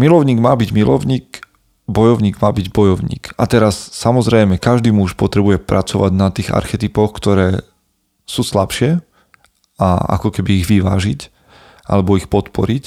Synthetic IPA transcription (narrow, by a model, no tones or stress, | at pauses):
milɔʊɲiːɡmaːbiɟmilɔʊɲiːk | bɔjɔʊɲiːɡmaːbiɟbɔjɔʊɲḭːkat̪ɛɾasːamɔzɾɛjmɛkaʒd̪iːmuuʃpɔt̪ɾɛbujɛpɾat͡sɔʋaɟnat̪iːɣa̰ɾxɛt̪ipɔxkt̪ɔɾɛː | suːslapʃɪɛ | a̰a̰kɔkɛbiːɣʋiʋa̰ːʒic | ʔa̰lɛbɔixpɔt̪pɔɾic